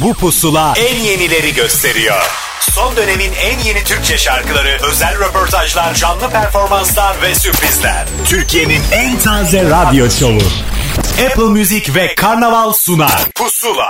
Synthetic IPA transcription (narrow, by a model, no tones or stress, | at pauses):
bupʰusulˠaænje̞nilʲe̞ɾiɟø̞st̪ʰe̞ɾijo̰ɾ̥ | so̞nd̪ø̞ne̞minænje̞nit̪ʰyɾc̚t͡ʃʰɛʃaɾkɯlˠaɾɯø̞zælʲɾepʰo̞ɾt̪ʰaʒlˠaɾʒanːˠɯpʰæɾfo̞ɾmanslˠaɾvɛsypɾizlʲæ̰ɾ̥t̪ʰyɾcʰije̞ninænt̪ʰaːzɛɾad̪ijo̞solˠṵ | ɛpʰlˠmyzicvɛkʰaɾnavalˠsuna̰pʰusulˠa